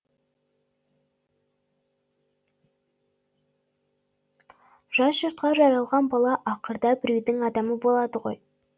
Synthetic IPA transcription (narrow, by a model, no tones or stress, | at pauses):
ʒ̥ɑsʒəɾt̪̚qɑʒɑɾɑlˠʁɑnbɑlˠɑʔɑqəɾd̪ɑbɪɾejd̪ɪŋɑd̪ɑməbo̞lˠɑd̪əʁo̞̰j